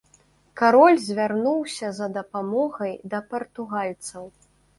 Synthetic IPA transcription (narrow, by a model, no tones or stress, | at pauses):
kaɾɔlʲzʲvʲarnuwsʲɐzɐd̪ɐpamɔɣɐjd̪ɐpɐrt̪uɣalʲt̪sɐw